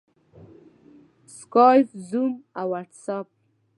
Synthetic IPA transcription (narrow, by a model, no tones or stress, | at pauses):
skɑjfzumawaʈsap̚